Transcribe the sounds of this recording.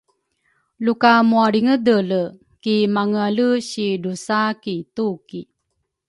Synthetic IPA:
lukamuaɾiŋədələ | kimaŋaləɕidusakituki

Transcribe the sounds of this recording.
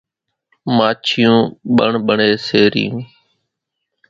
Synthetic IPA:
maːt͡ʃʰɪjũːɓəɳɓəɳeːseːɾɪjũː

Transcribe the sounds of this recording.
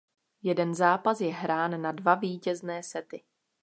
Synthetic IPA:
jɛdɛnzaːpasjɛɦɾaːnːadvaviːcɛznɛːsɛt̪ɪ

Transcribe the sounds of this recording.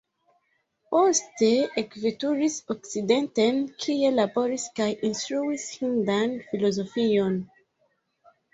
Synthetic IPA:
osteekvetuɹisɔksidɛ̃ntɛnkʰielabɔɹiskajʔĩnstɹuishĩndãnfilɔzɔfijɔ̃n

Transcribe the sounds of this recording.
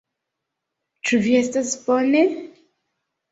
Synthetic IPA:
t͡ʃuviestasbone

